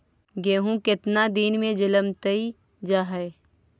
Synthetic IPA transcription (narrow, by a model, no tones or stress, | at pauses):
ɡeːɦũkɪt̪nad̪iːnmẽd͡ʒɪləmt̪əi | d͡ʒaːɦəe